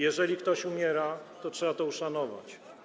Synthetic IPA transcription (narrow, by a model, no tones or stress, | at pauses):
jɛʐɛlʲikt̪ɔɕumʲjɛɾat̪ɔtʂɛbat̪ɔuʂanɔva̰t͡ɕ